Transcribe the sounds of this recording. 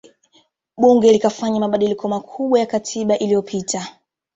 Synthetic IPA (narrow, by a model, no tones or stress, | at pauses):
ɓuŋɡɛlikafaɲamaɓaɗilikʰɔmakʰuɓwajakatʰiɓaʔilijɔpʰitʰa